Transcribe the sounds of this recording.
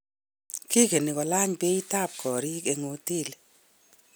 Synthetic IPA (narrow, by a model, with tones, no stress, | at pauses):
ki˦ke˨ni˨kɔ˨la˦ɲpe˦i˦ta˦˨p̚kʰɔ˨ɾi˦ke˨ŋo˨ti˦˨le˨